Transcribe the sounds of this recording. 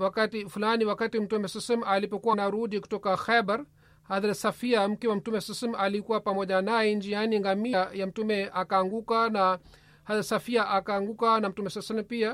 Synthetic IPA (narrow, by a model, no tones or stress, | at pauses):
wakatifulaniwakatim̩tumɛsɛsɛmalipɔkuwanaɾuɗiku̥tɔkaxɛbaɾ | haðaɾsafiam̩kɛwam̩tumɛsɛsɛmalikuwapamɔʄanajɛnd͡ʒianiŋɡamijam̩tumɛʔakaːŋɡukana | haðaɾsafiaʔakaːŋɡukanam̩tumɛsasɛlɛm̩pia